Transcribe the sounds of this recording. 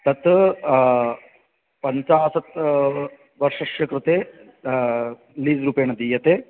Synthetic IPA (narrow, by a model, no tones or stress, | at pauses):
t̪ɐt̪ | pɐɲt͡ʃaːsɐt̪ | ʋɐɾʂɐʃjɐkɾut̪eː | liːzɾuːpeːɳɐd̪ijɐt̪eː